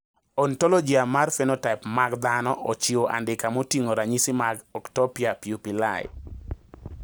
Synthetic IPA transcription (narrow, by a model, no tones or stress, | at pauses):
ɔntɔlɔd͡ʒiamarfenotaɪpmaɡd̪anɔʔɔt͡ʃioʔa̰ndɪkamotiŋoɾaɲisimaɡɔktɔpiapjupila̰j